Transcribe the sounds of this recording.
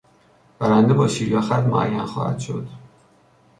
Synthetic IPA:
b̥æɾænd̪ebɒːʃiːɾjɒːxæt̪mo̰ʔæ̰jːænxɒ̰ːhæ̰d̪̥ʃo̞̰d̪̥

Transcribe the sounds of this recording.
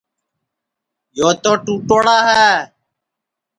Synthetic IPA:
joːt̪oːʈuːʈoːɽaːɦɛː

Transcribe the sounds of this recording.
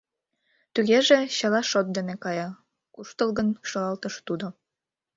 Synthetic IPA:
t̪yɣeʒĕɕɑlɑʃot̪̚d̪enekɑjɑ | kuʃt̪ɤlɣənʃɤlɑlt̪ɤʃt̪ud̪o

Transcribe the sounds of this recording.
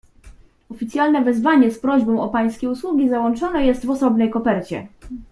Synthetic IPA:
ɔfʲit̪sʲjalnɛvɛzvaɲɛspɾɔʑbɔ̃w̃ɔpaj̃skʲejuswuɡʲizawɔnt͡ʂɔnɛjɛst̪vɔsɔbnɛjkɔpɛɾt͡ɕɛ̰

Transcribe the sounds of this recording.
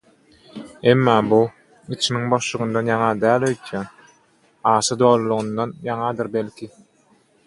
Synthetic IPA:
e̞mːɑːbu | it͡ʃʰimiŋbo̞ʃlˠuɣund̪ɑnjɑŋɑd̪æːlʲøjt̪ʰjɑn | ɑːʃɯd̪o̞ːlˠulˠuɣund̪ɑnjɑŋɑd̪ɯɾbe̞lkʰi

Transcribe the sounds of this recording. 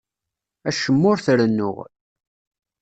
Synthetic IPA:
æʃəmːʊɾθɾənːʊ̰ʁ

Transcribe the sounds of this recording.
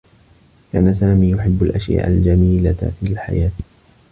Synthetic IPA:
kaːnasaːmiːjʊħɪbːalʔaʃja̰ːʔa̰ld͡ʒamiːlafilħa̰jaːt̪

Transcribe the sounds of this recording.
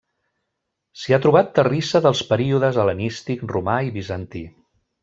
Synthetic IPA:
siat̪ɾuβat̪ːərisəðəlˠspəɾiuðəzələnist̪ikrumaiβizənt̪i

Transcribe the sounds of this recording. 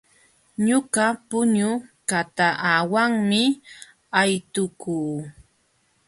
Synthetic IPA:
ɲʊɢapʊɲʊkat̪aʔawaŋmɪ | ajt̪ʊkuː

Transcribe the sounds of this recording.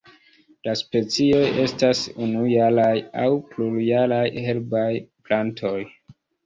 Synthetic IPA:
laspe̞t͡sio̞je̞stasunujalajawpluɾjalajhe̞lbajplantʰo̞j

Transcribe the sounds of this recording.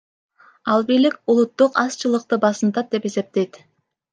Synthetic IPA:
ɑlˠbilikulˠut̪ːuqɑst͡ʃɯlˠɯq̚t̪ɯbɑsɯnt̪ɑt̪̚d̪e̞pe̞se̞p̚t̪e̞jt̪

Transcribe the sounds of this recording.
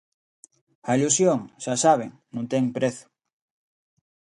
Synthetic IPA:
ɐilusjoŋʃasaβ̞eŋnũt̪ɛŋpɾeθʊ̥

